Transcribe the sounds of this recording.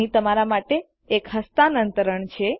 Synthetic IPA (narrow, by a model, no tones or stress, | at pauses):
ĩt̪əmaɾamaʈeː | kɦəst̪anənt̪əɾəɳt͡ʃʰe